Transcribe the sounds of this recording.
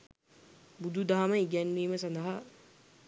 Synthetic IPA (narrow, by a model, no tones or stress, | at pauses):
bud̪ʱud̪aɦaməiɡænʋiːməsand̪ɐɦa